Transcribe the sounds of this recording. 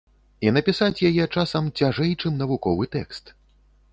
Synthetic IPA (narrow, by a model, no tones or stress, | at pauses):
inɐpʲisat͡sʲjajɛt͡ʂasɐmt͡sʲaʐɛjt͡ʂɨmnɐvukɔvɨt̪ɛ̰kst̪